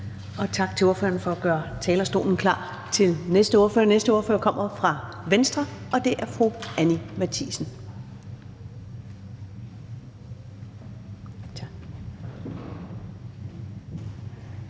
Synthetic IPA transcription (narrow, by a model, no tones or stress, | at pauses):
ɒ̽t͡sʰɑ̈ɡ̥̚t͡sʰe̝o̝ɐfø̰ːɐn̩fɒ̽æɡ̥ɶːɐt͡sʰɛːlɐsd̥o̝̰ːln̩kʰlɑ̰̈ː | t͡sʰe̝lnesd̥əo̝ɐfø̰ːɐnesd̥əo̝ɐfø̰ɐkʰɒ̽m̰ɐfʁɑ̈ʋensd̥ʁɐʔɒ̽d̥e̝ʔæɐfʁuænimæt͡sʰisən̩